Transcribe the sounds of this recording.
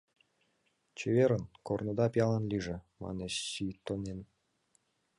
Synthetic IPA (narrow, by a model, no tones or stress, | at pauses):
t͡ɕeβeɾə̆nkornə̆d̪ɑpʲjɑlˠɑnlʲiʒĕ | mɑ̰neɕɕit̪ːonen